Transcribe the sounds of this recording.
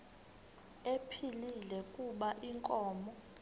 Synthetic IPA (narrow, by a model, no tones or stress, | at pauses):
epʰililɛkʼuɓaʔiŋkʼɔːmɔ